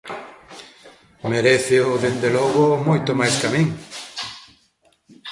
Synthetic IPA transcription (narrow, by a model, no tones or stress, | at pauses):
meɾeθeoðend̪elɔɣomojt̪omajskamĩŋ